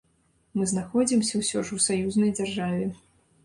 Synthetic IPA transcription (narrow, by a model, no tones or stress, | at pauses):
mɨznaxɔd͡zʲimsʲɐwsʲɔʂwsajuznɐjd͡zʲarʐavʲɛ